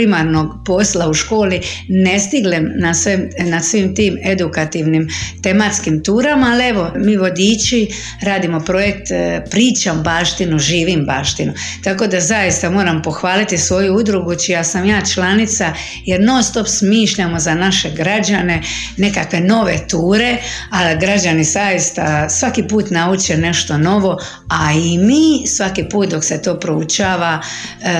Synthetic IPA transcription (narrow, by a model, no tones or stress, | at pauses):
imaɾno̞ɡpo̞slauʃko̞ːline̞st̪iɡlemnasʋemnasʋimt̪iːme̞d̪ukat̪iʋnimt̪e̞mat̪skimt̪uːɾamaːlie̞ʋo̞miːʋo̞d̪iːt͡ʃi | ɾaːd̪imo̞pɾo̞je̞k̚t̪pɾiːt͡ʃambaːʃt̪inuʒiːʋimbaːʃt̪inut̪ako̞d̪azajist̪amo̞ːɾampo̞xʋaːlit̪isʋo̞juud̪ɾuɡut͡ʃijasamjaːt͡ʃlanit̪sa | je̞ɾno̞st̪o̞psmiːʃʎamo̞zanaʃe̞ɡɾad͡ʒane̞ | ne̞kakʋe̞no̞ʋe̞t̪uːɾe̞aɡɾad͡ʒanizajist̪asʋakipuːt̪naut͡ʃene̞ʃt̪o̞no̞ʋo̞ | aimiːsʋakipuːt̪̚d̪o̞kse̞t̪o̞ːpɾout͡ʃaːʋa